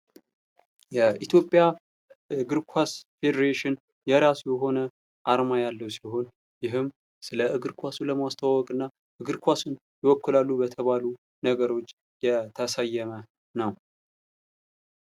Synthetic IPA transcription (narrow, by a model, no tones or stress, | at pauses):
jɛʔit̪ʰjo̞pʼːja | ɨɡɨɾkʷʰwasfed̪əɾeʃɪn | jɛɾasjɛɦo̞nə | ʔaɾmajalːəwsilɦo̞n | jɪɦɨm | sɨləʔɨɡɨɾkʷʰasuləmast̪ʰawawɔkʼɨnːa | ʔɨɡɨɾkʷʰasun | jɛwɔkːɨlalːubət̪ʰəβalu | nəɡəɾo̞t͡ʃː | jɛt̪ʰəsajːɛmə | nəw